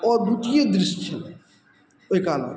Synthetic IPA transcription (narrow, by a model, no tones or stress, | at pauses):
ɔɾd̪ut̪ijed̪ɾist͡ʃʰəl | oɦikalɔ̰